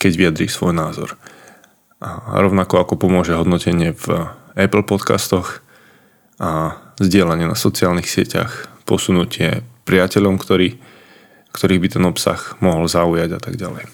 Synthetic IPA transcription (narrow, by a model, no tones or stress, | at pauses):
kɛɟʋijad̪ɾiːsʋɔjnaːzɔ̰ɾ | ʔa̰ɾɔʊnakɔakɔpɔmʊɔʒɛɦɔd̪nɔcɛɲɪɛv | ɛpl̩pɔt̪ka̰st̪ɔx | ʔazɟɪɛlaɲɪɛnasɔt͡siaːlnixsɪɛ̰ca̰xpɔsunucɪɛ̰pɾɪacɛʎɔmkt̪ɔɾiː | kt̪ɔɾiːbit̪ɛnɔpsa̰xmɔɦɔlzaujaɟat̪aɡɟalɛ̰j